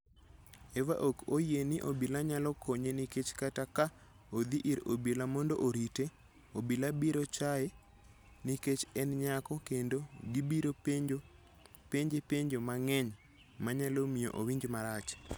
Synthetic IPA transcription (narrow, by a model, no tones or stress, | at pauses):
ewa̰ʔokojenɪʔobilaɲalɔkʰoɲeniket͡ʃkataka | od̪iʔiɾobilamɔndɔʔoɾite | obilabiɾot͡ʃae | niket͡ʃɛnɲakɔkendoɡibiɾopeɲd͡ʒo | peɲd͡ʒepeɲd͡ʒomaŋɛɲ | maɲalomijoʔowiɲd͡ʒmaɾat͡ʃ